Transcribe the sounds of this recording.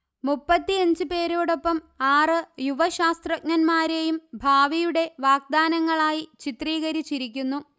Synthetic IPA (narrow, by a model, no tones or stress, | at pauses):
mupːɐt̪ːiɐɲd͡ʑɨpe̞ːɾoːɽo̞pːɐm | aːrɨjuʋɐɕaːst̪rɐk̚nɐnmaːɾejumbʱaːʋijuɽe̞ʋaːɡ̚d̪aːnɐŋːɐɭaːjit͡ɕit̪riːɣɐɾit͡ɕːiɾik̬ʲːunːu